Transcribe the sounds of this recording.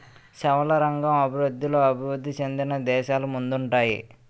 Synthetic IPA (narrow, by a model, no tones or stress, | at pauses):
ʃɛʋɐlɐɾɐŋɡɐmɐbʱiɾud̪ːilo̞ːɐbʱiʋud̪ːit͡ʃend̪inɐd̪ɛːʃaːlumund̪uɳʈaːjḭ